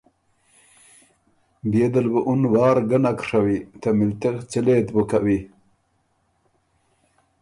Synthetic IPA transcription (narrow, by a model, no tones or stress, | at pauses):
bed̪ɐlbəʔunwaːɾɡənakʂawit̪amilt̪ekt͡ɕileːt̪bukawi